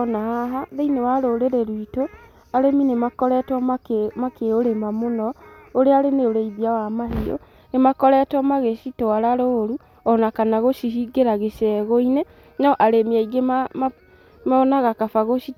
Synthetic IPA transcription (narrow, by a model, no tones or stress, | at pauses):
nahaɦaðeinewaɾoɾeɾeɾwito | aɾeminemakɔɾɛtwɔmakeoɾemamonɔoɾeaɾeneoɾeiðiawamaɦio̰ | nemakɔɾɛtwɔmaɣeʃitoaɾaɾoɾu | ɔnakanaɣoʃiɦiɡeɾaɣeʃɛɣoine | naɔʔaɾemiaiɡemam | maɔnaɣakafaɣoʃi